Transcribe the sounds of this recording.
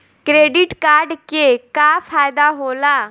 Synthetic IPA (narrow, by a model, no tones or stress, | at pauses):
kɾeːɖɪʈkaːɾɖkekaːpʰaːjd̪aːɦoːlaː